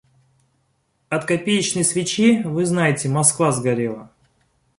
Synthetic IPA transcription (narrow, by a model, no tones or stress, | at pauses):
ɐt̪kɐpʲejɪt͡ɕnəjsvʲɪt͡ɕivɨznajɪtʲɪmɐskvazɡɐɾʲelˠə̰